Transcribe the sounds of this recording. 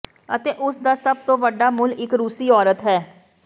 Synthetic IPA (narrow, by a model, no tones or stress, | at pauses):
ət̪eːʔʊsd̪aːsəb̚t̪õːʋəɖːaːmʊlɪkɾuːsiːɔːɾət̪ɦɛː